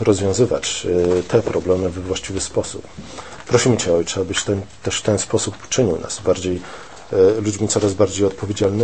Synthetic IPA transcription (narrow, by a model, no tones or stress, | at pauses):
ɾɔzvʲjɔ̃w̃zɘva̰t͡ɕt̪ʰɛpɾɔblɛmɘvɛvwaɕt͡ɕivɘspɔsṵp | pːɾɔɕimɘt͡ɕɛɔjt͡ʂɛabɘɕt̪ɛt̪ɛʂft̪ɛnspɔsupu̥t͡ʂɘɲiwna̰sbaɾd͡ʑej | lud͡ʑmʲit̪sɔɾazbaɾd͡ʑejɔt̪̚pɔvʲjed͡ʑalnɘ